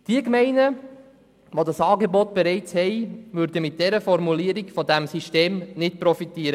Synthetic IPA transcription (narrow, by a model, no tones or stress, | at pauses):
d̥iəkmɛɪnə | ʋodɑsɑːɡebɔt̚b̥eɾɛɪt͡shɛɪʋʏɾdəmɪt̚d̥ɛɾəfɔɾmuliəɾiɡfɔdæmsiʃteːmnɪtpɾɔfitiːəɾə